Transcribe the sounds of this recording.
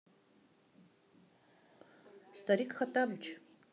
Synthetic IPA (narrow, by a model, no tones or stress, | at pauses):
st̪aɾikxat̪abt͡ʃʰ